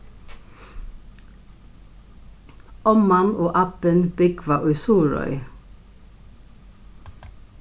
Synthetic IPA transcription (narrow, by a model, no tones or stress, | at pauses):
ʔɔmɑnoːʔɑpənb̥ɪɡʰʋɑʔʉʏsuːɹɔ̰ʏ